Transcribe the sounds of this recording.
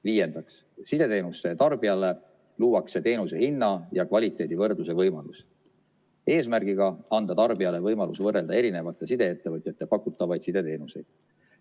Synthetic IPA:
viːje̞nd̪̥ɑks | sid̪̥e̞t̪e̞ːnust̪e̞t̪ɑrb̥iɑlːe̞ | luːwɑkse̞t̪e̞ːnuse̞hinːɑjɑkvɑlʲit̪ːˑe̞ːd̪ivɤrd̪luse̞vɤjmɑlus | e̞ːsmærɡ̥iɡ̥ɑɑnd̪̥ɑt̪ɑrb̥iɑle̞vɤjmɑlusvɤrːe̞ld̪ɑe̞ɾine̞vɑt̪ːˑe̞sid̪̥e̞et̪ːe̞vɤt̪ʲˑjɑt̪ˑːe̞pɑkːˑut̪ːˑɑvɑjd̪̥sid̪̥e̞t̪e̞ːnuse̞jd̪̥̚

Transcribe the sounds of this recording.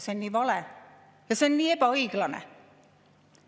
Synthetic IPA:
senniːʋɑle | jɑsenniːepæɑiklɑnḛ

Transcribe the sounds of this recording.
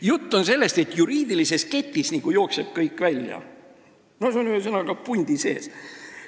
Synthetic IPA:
jut̪ːo̞nse̞lːe̞st̪e̞t̪juɾiːd̪̥ilise̞ske̞t̪ʲːisniɡ̥ujo̞ːkseb̥kɤjkːvælʲjɑ̰ | mnɑsonyesɤnɑɡ̥ɑpunʲd̪̥ise̞̰ːs

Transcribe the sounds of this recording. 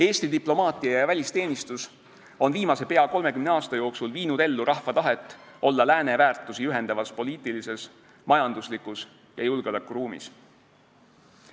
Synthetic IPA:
e̞ːst̪id̪iplo̞mɑːt̪ˑiɑjjɑvælʲist̪e̞ːnist̪us | o̞nviːmɑse̞pe̞ɑko̞lme̞kymneɑːst̪ɑjo̞ːksulviːnud̪e̞lːuɾɑhfɑt̪ɑɦe̞t̪ːˑo̞lːɑlæːne̞væːrt̪ːˑusiyɦe̞nd̪ɑvɑspo̞lʲiːt̪ːˑilise̞s | mɑjɑnd̪̥uslikˑus | jɑjulɡ̥elɑkːuɾuːmḭs

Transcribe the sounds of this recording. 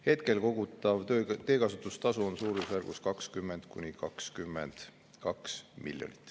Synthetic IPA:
he̞t̪ke̞lko̞ɡ̥ut̪ːˑɑvt̪e̞ːkɑsut̪ːˑust̪ɑsuonsuːɾisværɡ̥uskɑkskymːend̪̥kunʲikɑkskymːḛnd̪̥ | kɑksmḭljo̰nit̪ːˑ

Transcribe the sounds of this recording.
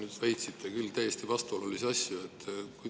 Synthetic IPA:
nyːd̪̥væjt̪sit̪ːˑekylːt̪æjest̪ivɑst̪uolulisɑsjuet̪ːkuj

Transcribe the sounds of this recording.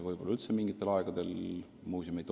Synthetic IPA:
vɤjb̥o̞lːɑylt̪semiŋɡ̥it̪ːˑe̞lɑeɡ̥ɑd̪̥e̞l | muːsʲomit̪ːˑ

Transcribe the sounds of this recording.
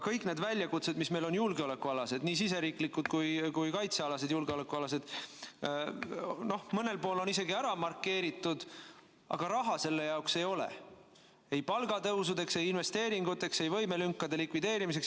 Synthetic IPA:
kɤjkˑne̞ːd̪vælʲːjɑkut̪se̞d̪misme̞jlo̞njulɡ̥eo̞le̞kːuɑlɑse̞d̪̥niːsise̞ɾiːklikːˑut̪kujkujkɑjt̪seɑlɑse̞d̪̥julɡ̥eolekːˑuɑlɑse̞d̪̥ | no̞hmɤne̞lpo̞ːlo̞nise̞ɡiæɾɑmɑrkːˑe̞ːɾit̪ːˑud̪̥ | ʔɑ̰ɡ̥ɑɾɑɦɑse̞lːe̞jɑokse̞jo̞lḛ | e̞jpɑlɡ̥ɑt̪ɤwsud̪e̞kse̞jinve̞st̪e̞ːɾiŋɡ̥ut̪ːˑe̞kse̞jvɤ̞jme̞lyŋkːɑd̪e̞likvid̪e̞ːɾimis̬e̞ks

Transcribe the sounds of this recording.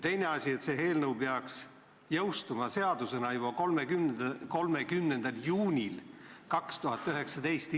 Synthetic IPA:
t̪e̞jne̞ɑsʲie̞t̪se̞ɦe̞ːlnəwpeɑks | jɤ̞wst̪umɑse̞ɑd̪̥use̞nɑjubɑkolmekymko̞lmekymne̞nd̪̥ɑljuːnʲilkɑkst̪uɦɑt̪ːˑyɦe̞ksɑd̪e̞jst̪

